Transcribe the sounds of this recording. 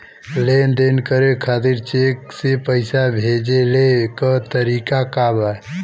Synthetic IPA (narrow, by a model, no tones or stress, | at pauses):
lend̪enkəɾekʰaːt̪iɾt͡ʃeksepəɪsabʱeːd͡ʒelekət̪əɾiːkakaːba